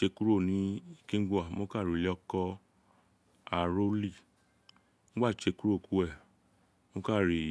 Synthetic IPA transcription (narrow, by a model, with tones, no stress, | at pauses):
t͡ʃe˧ku˦ɾo˦˨nĩ˨˦i˦˧kĩ˦ɡu˦a˨˦mo˦ka˦˨ɾi˨li˦ɔ˦kɔ˦ | a˨ɾo˦li˦˨˦ | m̩˦ɡ͡ba˦˨t͡ʃe˧ku˦ɾo˦˨ku˦ɛ˦˨˦ | mo˦ka˦˨ɾi˨